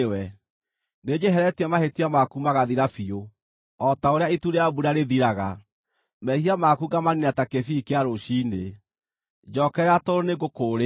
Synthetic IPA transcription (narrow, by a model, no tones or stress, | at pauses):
wɛ | ned͡ʒɛɦɛɾɛtiamahetiamakumaɣaðiɾafio | ɔtaoɾeaituɾeabuɾaɾeðiɾaɣa | mɛhiamakuɡamaninatakefikeaɾoɕine | d͡ʒɔːkɛɾɛatoɾoneɡokoːɾe